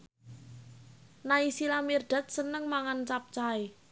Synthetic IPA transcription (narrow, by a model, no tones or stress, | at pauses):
naisilamird̪̥a̤t̪̚sənəŋmaŋant͡ʃap̚t͡ʃae